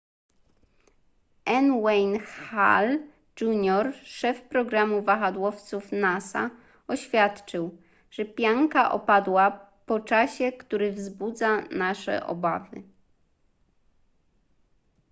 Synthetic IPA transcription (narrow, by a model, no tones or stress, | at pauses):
ʔɛnwɛjnxa̰l | d͡ʒuɲɔɾʂɛfpɾɔɡɾamuvaxad̪wɔft̪sufnasa̰ | ɔɕfʲjat̪t͡ʂɘw | ʐ̥ɛpʲjaŋkaʔɔ̰pad̪wa | pɔt͡ʂaɕɛkt̪uɾɘvzbud̪zanaʂɛ̰ʔɔ̰ba̰vɘ̰